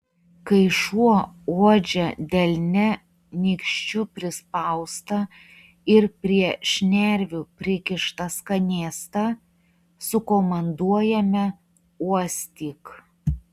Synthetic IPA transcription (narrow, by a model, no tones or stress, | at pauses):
kɐɪʃuɔoɔd͡ʒʲɛd̪ʲɛlʲnʲɛ | nʲiːkʃʲt͡ʃʲʊpʲɾʲɪspɐʊst̪ɐ | ɪɾpʲɾʲiɛʃʲnʲæɾʲʋʲupʲɾʲɪkʲɪʃt̪ɐskɐnʲeːst̪ɐ | sʊkoːmɐnd̪uɔjɛmʲɛ | uɔsʲt̪ʲiːk